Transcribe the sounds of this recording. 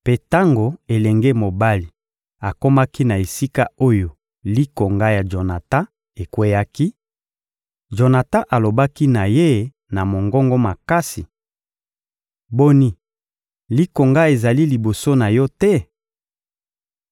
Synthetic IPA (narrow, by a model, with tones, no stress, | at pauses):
pe˦ta˦ŋɡo˨e˨lɛ˨ŋɡe˦mo˨ba˦li˨ | a˨ko˦ma˦ki˦na˨e˨si˦ka˦o˦jo˨ | li˦ko˨ŋɡa˦ja˨d͡ʒo˨na˨ta˦ | e˨kwe˦ja˦ki˦ | d͡ʒo˨na˨ta˦ʔa˨lo˨ba˦ki˦na˨je˦ | na˨mo˨ŋɡɔ˦ŋɡɔ˦ma˨ka˦si˨ | bo˦ni˦ | li˦ko˨ŋɡa˦e˨za˨li˦li˨bo˨so˦na˨jɔ˦tɛ˦